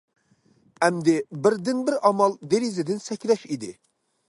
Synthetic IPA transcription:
ɛmd̪ɪbɪɾd̪ɪnbɪɾʔɑmɑlˠd̪eɾizɪd̪ɪnsɛkʲlɛʃid̪ɪ

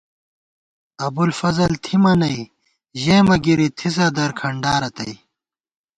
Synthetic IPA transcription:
ɐbulfɐzɐlt̪ʰimɐnɐi | ʑeːmɐɡiɾit̪ʰis̬ɐd̪ɐɾkʰɐɳɖaːɾɐt̪ɐ̰j

